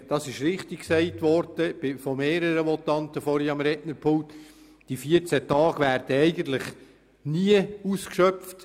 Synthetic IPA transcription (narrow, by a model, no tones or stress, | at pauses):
d̥ɑsɪʃɾɪχtikksɛɪtʋɔɾd̥əb̥ɪfɔmeːɾəɾəmɔt̪ɑntəfɔɾiɑmɾɛʔnəɾpʰʊlt | d̥ifiəɾt͡sætɑːɡ̥ʋæːɾd̥əɛɪɡən̩t̪lɪχ | niəuskʃœpft